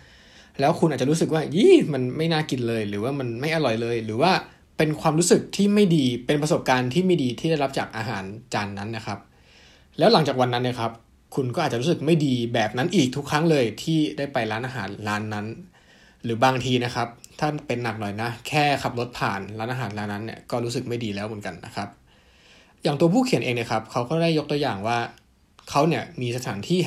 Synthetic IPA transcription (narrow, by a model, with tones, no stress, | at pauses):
lɛː˦˥wkʰu˧nʔaː˨˩t͡ɕa˩ɾu˦˥s̬ɯ˨˩k̬̚waː˥˩jiː˥˩ma˧nma˥˩jnaː˥˩ki˧nlɤː˧jɾɯː˩˦waː˥˩ma˧nma˥˩jʔa˧lɔ˨˩jlɤː˧jɾɯː˩˦waː˥˩ | pe˧nkʰwaː˧mɾu˦˥sɯ˨˩k̚t̪ʰiː˥˩ma˥˩jdiː˧pe˧npɾa˧so˨˩p̚kaː˧nt̪ʰiː˥˩ma˥˩jdiː˧t̪ʰi˥˩da˥˩jla˦˥p̚t͡ɕaː˨˩k̚ʔaː˧ɦa̰ː˩˦nt͡ɕaː˧nːa˦˥nːa˦˥kʰa˦˥p̚ | lɛː˦˥wla˩˦ŋt͡ɕaː˨˩k̚wa˧nːa˦˥nːi˥˩kʰa˦˥p̚ | kʰu˧nkɔː˥˩a˨˩t͡ɕa˨˩ɾu˦˥sɯ˨˩k̚ma˥˩jdiː˧bɛː˨˩p̚na˦˥nʔiː˨˩k̚t̪ʰu˦˥kʰːɾa˦˥ŋlɤː˧jt̪ʰiː˥˩da˥˩jpa˧jɾaː˦˥nʔaː˧ɦaː˩˦nɾaː˦˥nːa˦˥n | ɾɯː˩˦baː˧ŋt̪ʰiː˧na˦˥kʰa˦˥p̚t̪ʰaː˥˩pe˧nːa˨˩k̚nɔ˨˩jna˦˥kʰɛː˥˩ka˨˩p̚lo˦˥t̪̚pʰaː˨˩nlaː˦˥nʔaː˧ɦaː˩˦nlaː˦˥nːa˦˥nːi˥˩ɐkɔː˥˩ɾuː˦˥sɯ˨˩k̚ma˥˩jdiː˧lɛː˦˥wmɯ˩˦nka˧nːa̰˦˥kʰa˦˥p̚ | jaː˨˩ŋt̪u˧ɐpʰuː˥˩kʰi˨˩˦nʔeː˧ŋni˧˥˩kʰa˦˥p̚kʰa˦˥wkɔː˥˩da˥˩jːo˦˥k̚t̪u˧ɐjaː˨˩ŋwaː˥˩ | kʰa˦˥wni˥˩ɐmiː˧sa˧t̪ʰaː˩˦nt̪ʰiː˥˩